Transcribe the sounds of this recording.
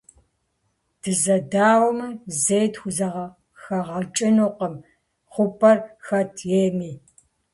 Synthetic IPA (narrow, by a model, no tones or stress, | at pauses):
d̥ɨzɐdaːwɐmɨzejtxʷʊzɐʁɐ | xɐʁɐt͡ʃʼɪnoqɐm | χʷʊpʰʼɐrxɐtʰjeːmiː